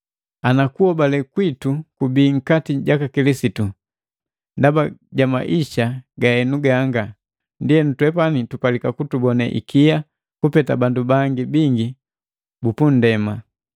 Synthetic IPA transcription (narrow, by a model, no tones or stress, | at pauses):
anakuhɔbalɛkwitukubiːŋ̩katiɟakakilisitu | ndabaɟama̰ʔiʃaɡaɛnuɡaːŋɡa | ndiɛnutwɛpanitupalikakutubɔnɛ̰ʔḭkija | kupɛtabandubaŋɡibiŋɡi | bupun̩dɛma